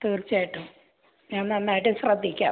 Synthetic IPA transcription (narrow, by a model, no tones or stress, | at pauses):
t̪iːrt͡ɕːaːjiʈːu | ɲaːnnːenːaːjiʈːɨɕrɐd̪ʱːikʲːa̰ː